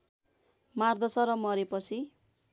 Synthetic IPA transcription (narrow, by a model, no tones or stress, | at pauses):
mard̪ʌsʌɾʌmʌɾepʌt͡sʰi